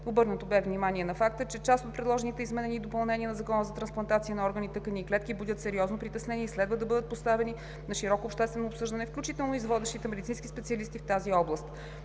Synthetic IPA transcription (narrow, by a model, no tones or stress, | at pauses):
obɤɾnət̪obɛvnimaniɛnɐfak̚t̪ət͡ʃɛt͡ʃast̪ot̪̚pɾɛd̪lˠɔʒɛnit̪ɛizmɛnɛnid̪opɐlˠnɛniənɐzɐkɔnəzɐt̪ɾɐnsplˠɐnt̪at̪siənɐɔɾɡənit̪ɤkəniːklɛt̪kibud̪ʲət̪sɛɾiɔznopɾit̪ɛsnɛniːslɛd̪vəd̪ɐbɤd̪ət̪̚post̪avɛni | nɐʃiɾɔkoːpʃt̪ɛst̪vɛnoːpsɤʒd̪ɐnɛfklʲut͡ʃit̪ɛlˠnoizvɔd̪ɛʃt̪it̪ɛmɛd̪it̪sĩnskispɛt̪siəɐlist̪ift̪aziɔblˠəst̪